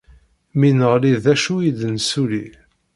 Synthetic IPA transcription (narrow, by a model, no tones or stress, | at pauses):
minəʁliðæʃujid̪nsuli